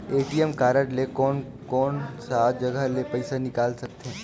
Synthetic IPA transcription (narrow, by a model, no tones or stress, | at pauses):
eːʈiɛmkaːɾəʈlekɔːn | kɔːnsad͡ʒɐɡəlepɐɪsanɪkaːlsɐk̚t̪eɦɛ̃